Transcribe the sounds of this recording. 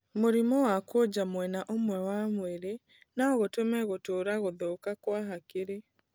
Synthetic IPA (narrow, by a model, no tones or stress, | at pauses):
moɾimɔwakwod͡ʑamwɛnaʔomwɛwamweɾe | naɔɣotomɛɣotoɾaɣoðokakwaɦakeɾe